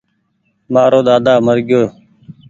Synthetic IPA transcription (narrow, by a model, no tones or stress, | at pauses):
maːɾoːd̪aːd̪aːməɾɡɪjoː